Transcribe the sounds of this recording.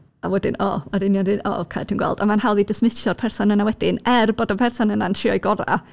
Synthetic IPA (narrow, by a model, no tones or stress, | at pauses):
awɛdɪnʔɔ̰ɔdinjɔndɨnɔ̰kʰajtʰiːnɡwɛ̰lˠdamanhawlˠidəsmɪʃjɔrpʰɛrsɔnənawɛdɪnɛrbɔdapʰɛrsɔnənantʰr̥ɪɔjɡɔɾa̰